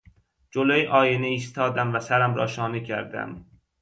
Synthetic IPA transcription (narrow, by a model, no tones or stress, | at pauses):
d͡ʒolojʔɒːjeneist̪ʰɒːd̪æmvæsæɾæmɾɒːʃɒːnicʰæɾd̪æ̰m